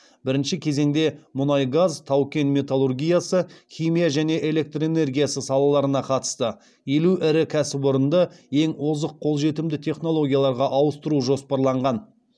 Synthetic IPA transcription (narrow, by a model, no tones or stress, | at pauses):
bɪɾɪnʃɪkʲʰe̞ze̞ŋd̪e̞mʊnɑjɡazt̪ʰɑwkʲe̞nmʲe̞t̪alˠurɡʲijasəχʲijmijaʒæne̞ʔe̞le̞k̚t̪re̞ne̞rɡʲijasəsɑlˠɑlˠɑɾənɑqʰɑt̪ə̥st̪ə | je̞luʔɪɾɪkʲʰæsɪboɾənd̪əe̞ŋwo̞zəqʰːo̞lˠʒe̞t̪ɪmd̪ɪt̪ʰe̞χno̞lˠo̞ɡʲijalˠɑɾʁɑʔɑwəst̪əɾuʒo̞spɑɾlˠɑɴʁɑn